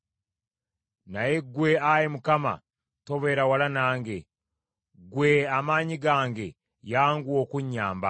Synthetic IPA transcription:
najeɡweajemukama̰ | to̞βe̞ːɾawalanaːŋɡe̞ | ɡweamaːɲiɡaːŋɡe̞ | jaːŋɡwo̞kuɲːaːmba̰

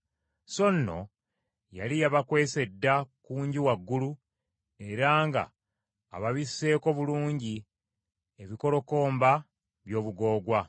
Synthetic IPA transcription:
so̞nːo̞̰ | jalijaβakwe̞ːse̞dːakuːɲɟiwaɡːulu | e̞ɾaːŋɡa̰ː | βaβisːe̞ːko̞βuluːɲɟi | e̞βiko̞lo̞ko̞ːmba | βjo̞ːβuɡo̞ːɡwa

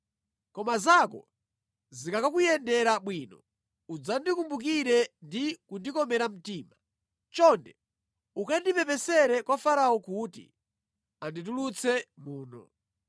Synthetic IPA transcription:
kɔmazakɔ̰ | zikakakujɛndɛɾaɓwiːnɔ | ud͡zandikumbuk̬iɾɛndikundikɔmɛɾam̩tiːma | t͡ʃɔndɛ | ukandipɛpɛsɛɾɛkwafaɾaɔkuːtḭ | andit̬ulut͡sʰɛmuːnɔ̰

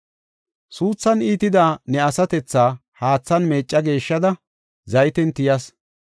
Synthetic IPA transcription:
suːt͡sːɐniːt̪ɪd̪aːnɛɐsɐt̪ɛt͡sːaːhaːt͡sːɐnme̞ːt͡ʃʼːɐɡe̞ːʃːɐd̪ɐ | zɐjɪt̪ɛnt̪ɪjɐs

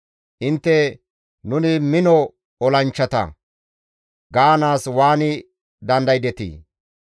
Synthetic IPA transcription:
ʔɪnt̪ːɛ | nʊnɪmɪnɔ | ɔlɐnt͡ʃːɐt̪ɐ̰ | ɡaːnaːswaːnɪ | d̪ɐnd̪ɐjd̪ɛt̪ḭː

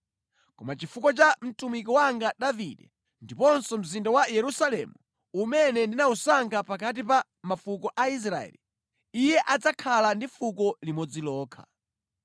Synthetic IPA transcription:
kɔmat͡ʃifukɔt͡ʃam̩tumikɔwaŋɡaɗavḭɗɛ | ndipɔnsɔm̩zindawajɛɾusalɛ̰mu | umɛnɛndinausaŋɡapakat̬ipa | mafukɔʔais̬ɾaɛ̰li | ijɛʔad͡zakʰalandifukɔlimɔd͡zilɔːkʰa̰

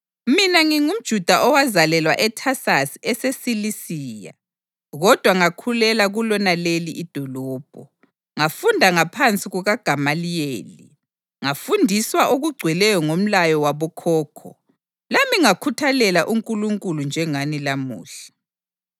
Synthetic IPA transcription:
minaŋiŋum̩d̥ʒ̥ʱud̥ʱaʔɔwazalɛlwaʔɛtʰasasiɛsesilisiːja̰ | ɣɔd̥ʱwaŋakʰulɛlaɣulɔnaleliʔid̥ʱɔlɔːb̥ʱɔ | ŋafundʱaŋapʰant͡sʼiɣuɣaɡ̥ʱamalijeːli | ŋafundʱiswaʔoɣuɡ͡ǀʱwɛlɛjɔŋom̩lajɔwaβɔkʰɔːkʰɔ̰ | lamiŋakʰutʰalɛlaʔuŋkʼuluŋkʼulund͡ʒʱɛŋanilamṵːɬɛ̥

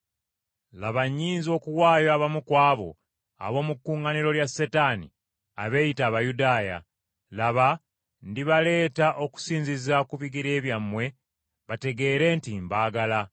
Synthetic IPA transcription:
laβaɲːiːnzio̞ːkuwaːjoaβamukwaːβo̞̰ | a̰βo̞ːmukːuːŋɡaniɾo̞ljasːetanḭ | aβe̞jitaːβajudaːja̰ | laβa | ndiβale̞ːtaʔo̞ku̥siːɲzizakuβiɡiɾe̞ːβjamːwe̞ | βate̞ɡe̞ːɾe̞ːntimbaːɡala

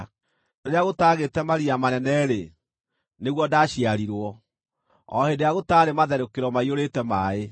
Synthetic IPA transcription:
eɾeaɣotaːɣetɛmaɾiamanɛnɛɾe | neɣwɔdaːɕiaɾiɾwɔ | ɔ̰hedeaɣotaːɾemaðɛɾokeɾɔmaioɾetɛmae

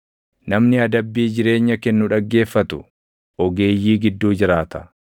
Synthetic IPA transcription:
nɐmnɪɐd̪ɐbːiːd͡ʒɪɾe̞ːɲːɐkɛnːʊᶑɐɡːe̞ːfːɐt̪ʊ̰ | ʔɔɡe̞ːjːiːɡɪd̪ːuːd͡ʒɪɾaːt̪ɐ̥

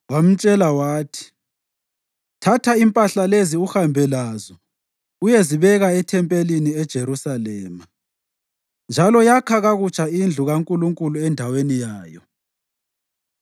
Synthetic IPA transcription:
wam̩t͡ʃʼɛlawaːtʰi̥ | tʰatʰaimpʼaɬaleziuxambʱɛlaːzɔ | ujeziβɛɣaɛtʰɛmpʼeliniɛd̥ʒ̥ʱeɾusalɛːma | nd͡ʒʱalɔjakʰaɣaɣut͡ʃʰʼaind͡ɮʱuɣaŋkʼuluŋkʼuluɛndʱawenijaːjɔ

